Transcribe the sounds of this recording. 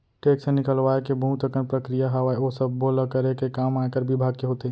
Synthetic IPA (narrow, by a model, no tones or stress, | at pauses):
ʈeːksenɪkəlʋaːekebɐɦũt̪əkənpɾəkɾijaɦaʋaːeosɐbːoːləkəɾekekaːmaːkəɾbɪbʱaːɡ̚keɦoːt̪e